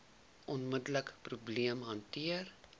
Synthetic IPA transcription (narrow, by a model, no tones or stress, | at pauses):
ʔɔnmədləkprubliəmɦɐntiər